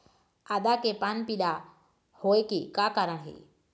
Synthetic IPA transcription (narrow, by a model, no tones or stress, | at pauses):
ad̪akepanpiɗ̪a | hoekekakaːɾəɽ̃ɦḛ